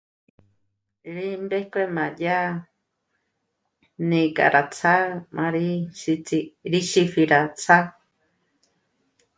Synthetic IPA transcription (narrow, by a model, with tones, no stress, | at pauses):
ɾi˦mbe˦hkʷe˧mã˨ja˦ | nĩ˧kʼa̰˨ɾʔa˨t͡sʰa˦mʔã˧ɾi˦ʃi˧t͡si˧ɾi˦ʃi˧fi˧ɾa˨t͡sʰa˦